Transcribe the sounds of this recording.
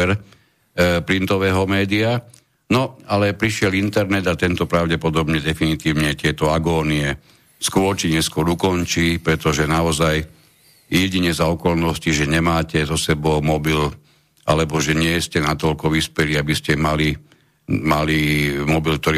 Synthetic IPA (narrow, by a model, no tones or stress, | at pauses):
ɛɾ | pɾint̪ɔʋɛːɦɔmɛːd̪ia | nɔalɛpɾiʃɪɛlint̪ɛɾnɛd̪at̪ɛnt̪ɔpɾaʊɟɛpɔd̪ɔbɲɛd̪ɛfinit̪iːʊɲɛt̪ɪɛt̪ɔaɡɔːniɛ | skʊɔɾt͡ʃiɲɛskʊɔɾukɔnt͡ʃiːpɾɛt̪ɔʒɛnaɔzaj | jɛɟiɲɛzaɔkɔlnɔsciʒɛɲɛmaːcɛzɔsɛbɔʊmɔbil | ʔa̰lɛbɔʒɛɲɪɛscɛnat̪ɔʎkɔʋispɛliabiscɛmali | malimɔbilk̚t̪ɔɾi